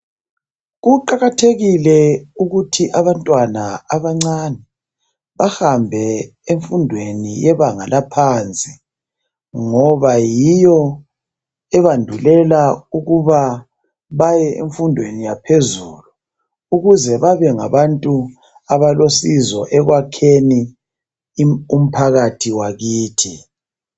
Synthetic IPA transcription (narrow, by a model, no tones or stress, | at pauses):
ɣuǃaɣatʰeɣilɛuɣutʰiʔaβantʼwanaaβaŋ͡ǀanɛ | βahambʱɛeɱfundʱwenijɛβaŋalapʰant͡sʼi | ŋɔβajijɔ | ɛβandʱulɛlauɣuβa | βajɛʔḛɱfundʱwenijapʰezulu | uɣuzɛβaβɛŋaβantʼu | aβalosizɔʔɛɣwakʰeni | um̩pʰaɣatʰiwaɣiːtʰi